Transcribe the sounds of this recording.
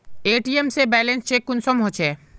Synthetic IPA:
eːʈiemsebɛlenst͡ʃʰekːunsɔmɦot͡ʃʰe

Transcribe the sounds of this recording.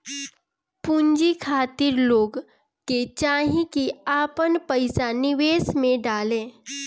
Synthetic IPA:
puɲd͡ʒikʰaːt̪ɪɾloːɡ | ket͡ʃaːɦĩkiaːpənpəɪsanɪʋeːsmẽɖaːlẽː

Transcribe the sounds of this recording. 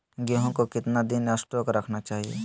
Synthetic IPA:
ɡeɦõkokɪt̪nad̪ɪnəsʈɾoːkɾɐkʰnat͡ʃaːɦiḛː

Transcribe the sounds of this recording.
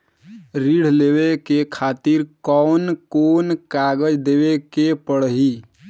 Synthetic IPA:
ɾiɽ̤lewekekʰat̪iɾkɔnkonkaɡəd͡ʒd̪ewekepəɽɦi

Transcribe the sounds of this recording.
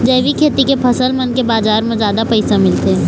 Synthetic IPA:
d͡ʒɐːʋikʰeːt̪ikepʰɐsəlmɐnkebaːzaːɾmẽzjaːd̪apɐɪsamɪlt̪eː

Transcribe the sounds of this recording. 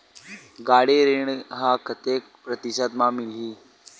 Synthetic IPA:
ɡaɽeɾeɳɦakʰət̪ek̚pɾət̪iɕad̪mamiliː

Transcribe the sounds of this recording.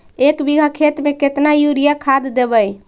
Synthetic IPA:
ekbiɡʱəkʰet̪meket̪najuɾijakʰad̪ːebəj

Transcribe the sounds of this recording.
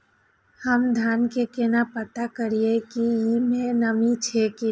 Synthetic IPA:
həmd̪ʱaːnkekenapət̪akəɾiekiimẽnəmit͡ʃʰeki

